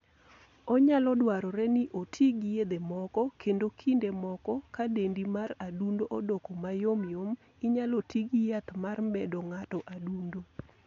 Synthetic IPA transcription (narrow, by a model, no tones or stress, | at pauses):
ɔɲalɔdwaɾɔɾɛniʔotʰiɡjed̪emɔkɔkʰendokʰindemɔkɔkadendimaradundoʔodokomajomjom | iɲalotiɡijat̪marbɛdɔŋatɔʔadundo